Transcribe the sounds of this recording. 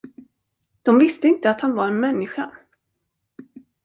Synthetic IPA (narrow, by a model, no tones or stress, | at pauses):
d̪̥ɔmvɪst̪əɪnt̪əat̪hanvaɾɛnmɛnːɪɧa